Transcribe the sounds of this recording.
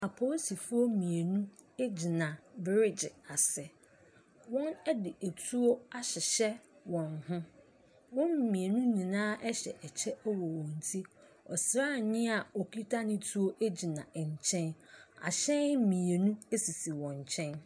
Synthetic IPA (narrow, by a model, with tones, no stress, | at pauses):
a˨pʰo˦si˨fʊ˦o˦mĩ˨e˨nũ˦ | e˦d͡ʑi˨nã˨bɪ˦ɾɪ˦d͡ʑɪ˨a˨sɛ˨ | wɔ̃˦nɛ˦dɪ˨ʔe˨tʰu˦o˦a˦ɕɪ˨ɕɛ˦wɔ̃˨nhʊ̃˦ | wɔ̃˦mmĩ˨e˨nũ˦nĩ˨nãː˦ʔɛ˦ɕɛ̰˨ʔɛ˨t͡ɕʰɛ˦wɔ˨wɔ̃˨n̩˨tʰi˦ | ɔ̰˨sɾaː˦˨ɲɪ̃˦a˨o˨kʰi˦tʰa˦nɪ̃˦tʰu˦o˦ʔe˦d͡ʑi˨nã̰˨ɛ˨ɲ˨t͡ɕʰɛ̃˦na̰˨ɕɛ̃˦n˦mĩ˨e˨nũ˦e˦si˨si˨wɔ̃˨ɲ˨t͡ɕʰɛ̃˦n